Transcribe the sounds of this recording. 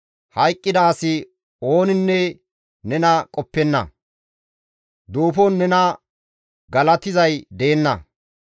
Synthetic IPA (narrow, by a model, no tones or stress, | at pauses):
hɐjkʼːɪd̪aːsɪ | o̞ːnɪnːɛ | nɛnɐkʼɔpːɛnːɐ̰ | d̪oːfɔnːɛnɐ | ɡɐlɐt̪ɪzɐjd̪e̞ːnːɐ̰